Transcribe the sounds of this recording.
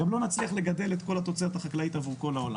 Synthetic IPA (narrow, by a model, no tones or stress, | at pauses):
amlo̞nat͡sliaχle̞ɡad̪e̞let̪ko̞lat̪o̞t͡seat̪aχaklait̪avuʁko̞laola̰